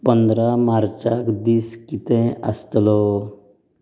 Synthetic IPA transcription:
pənd̪ɾamaɾt͡ʃakd̪iːskit̪ɛ̃əst̪lɔ

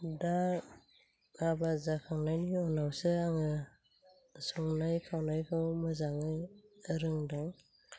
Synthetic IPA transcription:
da | abazakʰaŋnajniɔnawsɯaŋɯ | sɔŋnajkʰawnajkʰɯwmɯzaŋɯjɯɾɯŋdaŋ

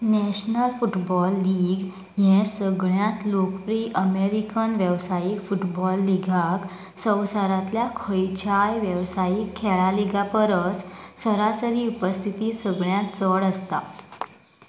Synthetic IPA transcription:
nɛɕnəlfuʈbɔlːiɡ | jɛ̃səɡɭjãt̪lokpɾiːʔəmeɾikənʋjəʋsajikfuʈbɔlːiɡʱak | sə̃wsaɾat̪ljakʰəjt͡ɕajʋjəʋsajikʰːɛɭaliɡʱapəɾət͡ssəɾasəɾiːupəst̪ʰit̪iːsəɡɭjãt̪t͡səɽəst̪a̰

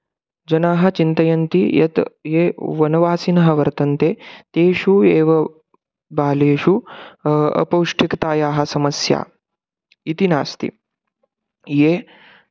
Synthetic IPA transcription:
d͡ʒɐnaːɦɐ̆t͡ʃint̪ɐjɐnt̪ijɐ̰t̪jeːʋɐnɐʋaːsinɐɦɐʋɐɾt̪ɐnt̪eːt̪eːʃueːʋɐ | baːleːʃu | ɐ̰pɐwʂʈʰikt̪aːjaːɦɐ̆sɐmɐsja̰ː | it̪ina̰ːst̪ḭ | jeː

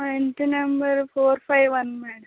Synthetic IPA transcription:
enʈinɐmbɐɾfoːɾfaɪʋʋɐnmɛːɽɐ

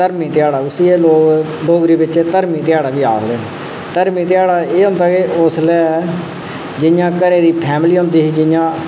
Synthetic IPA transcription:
t̪əɾmiːt̪ɪjaːɽaːʊsieːloːɡ | ɖoːɡɾiːbɪt͡ʃeːt̪əɾmĩːt̪ɪjaːɽaːbiːaːkleːn | t̪əɾmiːt̪ɪjaːɽaːeːɦõːnd̪aːkeʔʊːslɛː | d͡ʒɪjãːkəɾeːd̪iːpʰɛːmliːɦõːnd̪iːɦiːd͡ʒɪjãː

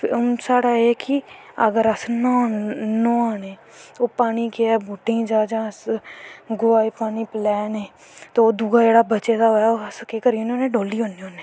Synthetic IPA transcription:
saːɽaːeːkɪə̰ɡəɾəsnãːnõːaːneː | oːpaːniːkeɛːbuːʈːɪ̃ŋd͡ʒaːd͡ʒãːs | ɡʊaːiːpaːniːplɛːneː | t̪ooːd̪uːɡaːd͡ʒeːɽaːbət͡ʃeːd̪aɦoːjaːoːəskeːkəɾiõnoːnẽːɖoːliːɦõːneoːneː

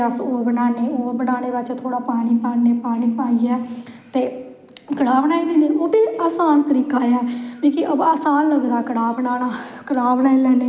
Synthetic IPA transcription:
əsoːbənaːneːoːbənaːneːbɪt͡ʃt̪ʰoːɽaːpaːɽ̃iːpaːeːpaːniːpaːiːɛːt̪eː | kəɽaːbənaːiːd̪iːneːʔoːd̪eːaːsaːnt̪əɾiːkaːaːkiːkiʔəaːsaːnləɡd̪aːkəɽaːbənaːnaːkəɽaːbənaːilɛːneː

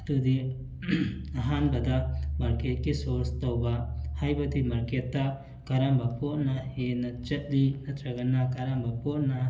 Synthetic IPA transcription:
t̪ud̪i | aɦanbɐd̪amaɾket̚kesɔɾst̪ɔwbahajbɐt̪imaɾket̪ːaʔ | kaɾambapɔʔnahenɐt͡ʃɐt̪̚linɐt̪ʰɾɐɡɐnːakaɾambapɔʔna

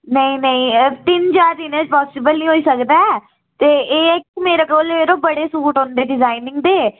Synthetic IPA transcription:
nəĩːnəĩːt̪ɪnt͡ʃaːɾd̪inəd͡ʒpɔːsɪbəlnĩːɦoːiːsəkd̪aː | t̪eːeːɪkmeːɾaːkoːleːɾoːbəɽeːsuːʈõːnd̪eːɖɪzaːinɪ̃ŋɡd̪eː

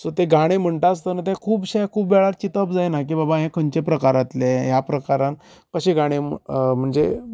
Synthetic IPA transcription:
sot̪eɡaɽ̃em̤əɳʈ̪aast̪ənət̪̬ẽkʰuːbɕekʰuːbʋeɭaɾt͡ɕit̪əbd͡zajnak̬iːbabaɦẽkʰəɲt͡ɕepɾəkaɾat̪leɦjapɾəkaɾãn | kəɕeɡaɽ̃em̤əɳd͡ze

